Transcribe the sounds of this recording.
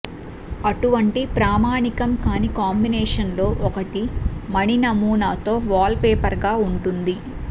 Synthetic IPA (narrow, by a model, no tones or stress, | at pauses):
ɐʈuʋɐɳʈipɾaːmaːɳikɐmkaːnikaːmbinɛːʂɐnlo̞ːʔɔkɐʈimɐɽinɐmuːnaːt̪o̞ːʋaːlpeːpɐɾɡaːuɳʈund̪i